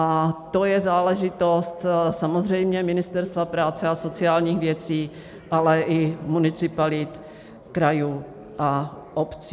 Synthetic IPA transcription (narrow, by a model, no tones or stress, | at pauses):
at̪o̞jɛzaːlɛʒɪt̪o̞st̪samozrɛjmɲɛmɪnɪst̪ɛɾst̪vapɾaːt͡sɛasot͡sɪaːlɲiːxvjɛt͡siː | ʔalɛʔɪmunɪt͡sɪpalɪt̪ | kɾajuː | ʔa | ʔopt͡siː